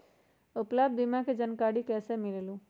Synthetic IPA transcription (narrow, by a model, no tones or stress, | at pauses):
uplab̪̚bimãked͡ʒənkaɽikɛsemilelũ